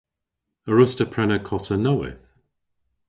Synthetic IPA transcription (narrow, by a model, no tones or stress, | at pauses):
əɹʊstəpʰɹɛnəkʰɔtʰənowɪ̰θ